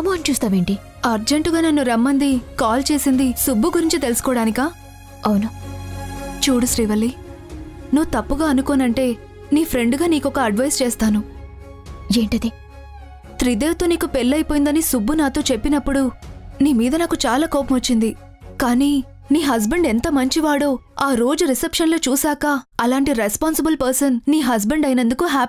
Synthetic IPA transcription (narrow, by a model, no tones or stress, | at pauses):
ɐmoːɐnt͡ʃuːst̪aːʋe̞ːɳʈi | ɐɾd͡ʒeɳʈuɡaːnɐnːuɾɐmːɐnd̪ikaːlt͡ʃe̞ːsind̪isubːuɡuɾiɲt͡ʃit̪e̞lusu̥kɔːɽaːnikaː | ɐwunu | t͡ʃuːɽusɾiːʋɐlːi | nuʋut̪ɐpːuɡaːɐnukoːnɐɳʈe̞ː | niːpʰɾe̞ɳɖɡaːniːkɔkɐɐɖʋɐjst͡ʃeːst̪aːnu | eːɳʈɐd̪i | t̪ɾid̪eːʋt̪o̞ːniːkupelːɐjpoːjind̪ɐnisubːunaːt̪o̞ːt͡ʃe̞pːinɐpːuɽuniːmiːd̪ɐnaːkut͡ʃaːlaːkɔːpɐmɐt͡ʃːind̪i | kaːniː | niːɦɐsbɐɳɖent̪ɐmɐɲt͡ʃiʋaːɽoːaːɾo̞ːd͡ʒuɾisepʂɐnlo̞ːt͡ʃuːsaːkɐɐlaːɳʈiɾespaːnsɐbɐlpɐɾsɐnːiːɦɐs̬bɐɳɖɐjnɐnd̪ukuɦaː